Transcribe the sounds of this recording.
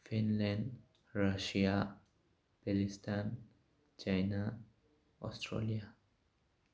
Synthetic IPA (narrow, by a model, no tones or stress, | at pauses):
fĩnlãɳɖ | ɾaʃia | pelistan | t͡ʃajna | ɔ̰sʈʰɾo̰lia